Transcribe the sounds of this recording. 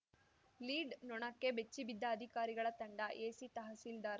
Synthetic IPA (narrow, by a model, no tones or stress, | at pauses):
liːɖnɔɳɐkːebet͡ʃːibid̪ʱːɐːd̪ʱikaːɾiɡɐɭɐt̪ɐɳɖɐʔeːsit̪ɐɦɐsild̪aːɾɐ